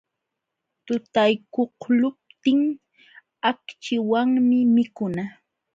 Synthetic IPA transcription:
t̪ʊt̪ajkohlʊp̚t̪ɪŋ | akt͡ʃɪwaŋmɪmɪkʊna

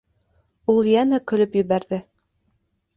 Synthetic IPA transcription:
ulˠjænækɵ̆lɵpjɵ̆βæɾðɘ

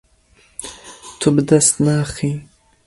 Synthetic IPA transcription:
t̪ʰubd̪ast̪naːχi

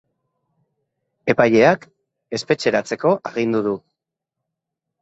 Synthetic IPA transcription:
e̞paje̞ak | e̞spe̞t͡ʃe̞ɾat͡se̞ko̞ʔaɣ̞ind̪uðu

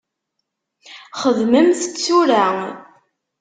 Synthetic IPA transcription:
χəðməmθət͡st͡sːuɾæ

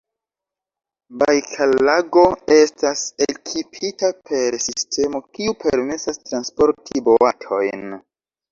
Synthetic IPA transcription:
bajkʰalaɡo̞e̞stasekʰipʰitapʰe̞ɾsistʰe̞mo̞kiupʰeɾme̞sastɾanspo̞ɾtʰibo̞atʰo̞̰jn

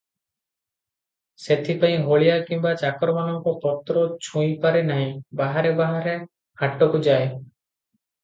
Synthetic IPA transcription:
set̪ʰipaĩɦoɭijakimbat͡ʃakɾɔmanɔŋkɔpɔt̪ɾɔt͡ʃʰũjpaɾenaɦĩbaɦaɾebaɦaɾe | haʈɔkud͡ʒae

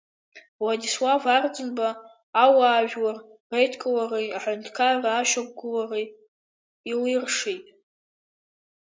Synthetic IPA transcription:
wadiswavard͡zɨnbaː | waːʒᶣwarrejtʰkʼowarijaħʊntʰkʰarraːʃak̚ʷʼɡʊlare | ilirʂejtʼ

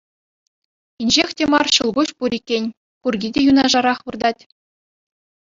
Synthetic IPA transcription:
inʲʑexʲtʲemɑrɕɤlˠɡuɕpuɾʲikʲːenʲ | kurɡʲidʲejunɑʐɑɾɑχʋɯrd̪ɑtʲ

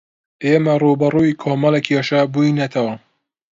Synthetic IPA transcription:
ʔeːmɐruːbɐruːikʰoːmɐlekʰeːʃɐbuinɐt̪ʰɐwɐ

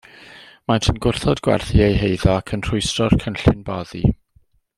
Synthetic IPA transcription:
matʰənɡʊrθɔdɡwɛ̰rθiejɦejðɔakʰənr̥ʊɨstrɔrkʰənɬɪnbɔðḭ

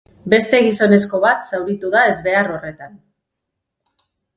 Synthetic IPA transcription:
be̞st̪e̞ɣiso̞ne̞sko̞βat̪sawɾit̪uðae̞zβe̞aɾo̞re̞t̪an

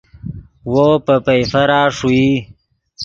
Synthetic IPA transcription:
wopəpejfɐɾaːʂui

